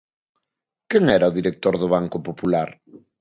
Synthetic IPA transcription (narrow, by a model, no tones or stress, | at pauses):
kɛŋɛɾɐʊðiɾek̚t̪oɾðʊβ̞aŋkʊpopulaɾ